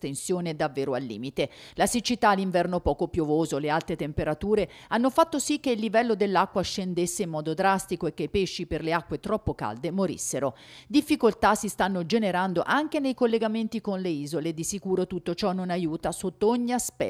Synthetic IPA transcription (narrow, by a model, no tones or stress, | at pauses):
t̪ensjoːned̪avːeːɾoalːḭːmit̪elasit͡ʃit̪aːlːiɱvɛrnopɔːkopjovoːzolealt̪ɾet̪empeɾat̪uːɾe | anːofat̪ːosikːeilːivɛlːod̪elːakːwaʃːend̪esːeimːɔːd̪od̪ɾast̪ikoekːeipeʃːiperleakːwet̪ɾɔpːoka̰ld̪emoɾḭsːeɾo | d̪ifːikolt̪asist̪anːod͡ʒeneɾand̪oʔaŋk̟enejkolːeɡament̪ikonleiːzoled̪isikuːɾot̪ut̪ːot͡ʃɔnːonajuːt̪asot̪ːooɲːiaspɛ̰